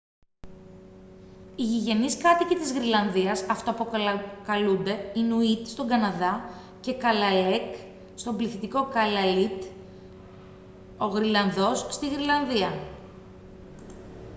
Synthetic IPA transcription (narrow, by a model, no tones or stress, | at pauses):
iʝiʝe̞niskɐt̪icit̪izɣɾilɐnðiɐsɐft̪oɐpokɐlund̪e̞inuit̪st̪o̞ɡɐnɐðɐ | ce̞kɐlɐle̞k | st̪o̞mbliθit̪iko̞kɐlɐlit̪ | o̞ɣɾilɐnðo̞sst̪iɣɾilɐnðiɐ